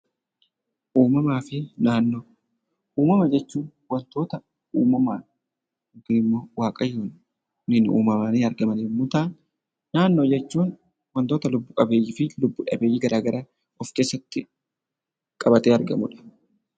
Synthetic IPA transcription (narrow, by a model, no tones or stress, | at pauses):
ʔuːmɐmaːfɪnaːnːoː | ʔuːmɐmɐd͡ʒɛt͡ʃːuːn | wɐnt̪oːt̪ɐ | uːmɐmaː | ɡɪnɪmːo̞ːwaːkʼɐjːoːn | nɪnṵːmɐmaːneːɐɾɡɐmɐneːmʊt̪aːn | naːnːo̞ːd͡ʒɛt͡ʃːuːn | wɐnt̪o̞ːt̪ɐlʊbːʊkʼɐbeːjːɪfɪlʊbːʊᶑɐ̰beːjːɪːɡɐɾʔaːɡɐɾaː | ɔfke̞ːsːɐt̪ːɪ | kʼɐbɐt̪eːɐɾɡɐmʊᶑɐ̥